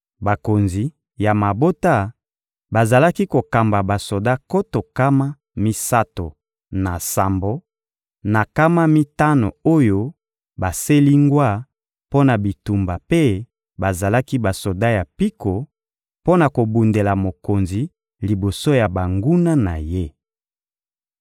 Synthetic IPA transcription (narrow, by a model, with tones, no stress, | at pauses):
ba˨ko˨nzi˨ | ja˨ma˨bo˦ta˦ | ba˨za˨la˦ki˦ko˨ka˨mba˨ba˨so˨da˦ko˦to˨ka˦ma˦ | mi˦sa˦to˨ | na˨sa˨mbo˦ | na˨ka˦ma˦mi˦ta˦no˨o˦jo˦ | ba˨se˦li˦ŋɡwa˦˨ | po˦na˨bi˨tu˨mba˨pe˦ | ba˨za˨la˦ki˦ba˨so˨da˦ja˨pi˦ko˨ | po˦na˨ko˨bu˨nde˨la˨mo˨ko˨nzi˨ | li˨bo˨so˦ja˨ba˨ŋɡu˦na˦na̰˨je˦